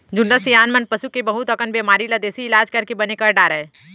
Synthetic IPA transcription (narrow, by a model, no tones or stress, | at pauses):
d͡ʒʊnːəsijaːnmənpɐʃukebɐɦʊt̪ɐkənbeːmaːɾilɐd̪eːsiɪlaːd͡ʒkɐɾkebɐnekɐɾɖaːɾɛː